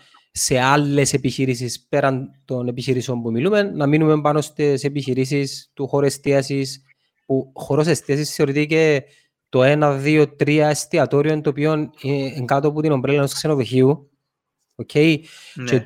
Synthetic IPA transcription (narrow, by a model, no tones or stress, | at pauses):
se̞ɐlːe̞se̞piçiɾis̬ispe̞ɾɐnt̪o̞ne̞piçiɾiseo̞mpumilume̞nːɐminume̞mpɐno̞st̪esepiçiɾis̬ist̪uxo̞ɾue̞st̪iɐsis | puxo̞ɾo̞se̞st̪iɐsisθeo̞ɾit̪ice̞ | t̪o̞e̞nɐðio̞t̪ɾiɐest̪iɐt̪o̞ɾio̞nt̪opio̞nineːŋɡɐt̪oput̪ino̞mpɾelenoskse̞noðoçiu | ocʰe̞je